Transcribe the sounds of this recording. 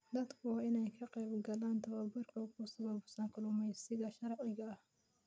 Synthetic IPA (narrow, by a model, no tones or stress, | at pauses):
d̪ɐd̪kʰʊɪnɛjkʰɐqɛjbɡɐlaːnt̪ʰɐβɐbɐrkʰɐkʰʊsɐβɐbʊsɐŋkʰʊlʊmɛjsɪðɐʃɐɾʕɪɣɐɐh